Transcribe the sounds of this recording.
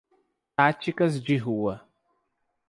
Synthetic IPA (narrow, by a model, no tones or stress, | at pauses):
tat͡ʃikɐz̬d͡ʒiɦuwɐ